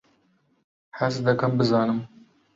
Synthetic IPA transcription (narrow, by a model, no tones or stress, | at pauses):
hɛsd̪ɐkɐmbɨzɑːnɨm